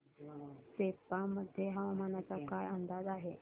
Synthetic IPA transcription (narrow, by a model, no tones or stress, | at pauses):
sepaməd̪ʱjeɦaʋmanat͡sakajənd̪ad͡zaɦe